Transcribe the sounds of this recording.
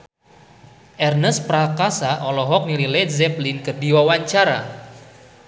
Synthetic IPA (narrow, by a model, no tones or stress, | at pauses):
ʔɛrnəspɾakasaʔɔlɔɦɔk̚nililɛzɛplinkərdiwawaɲt͡ʃaɾa